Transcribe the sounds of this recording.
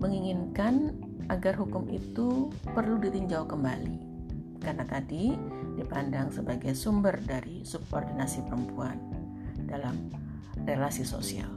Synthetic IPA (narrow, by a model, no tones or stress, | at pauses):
məŋiŋinkan | ʔaɡarɦukʊmʔḭt̪upərludit̪iɲd͡ʒawkəmbali | karnak̪adidipandaŋsəbaɡajsumbərdaɾisub̚ordinasipəɾəmpuan | dalam | relasiso̰sia̰l